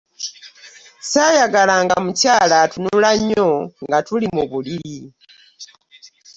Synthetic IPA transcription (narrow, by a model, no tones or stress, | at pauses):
sajaɡalaŋɡamucaːlatunulaɲːoŋɡatulimuβulii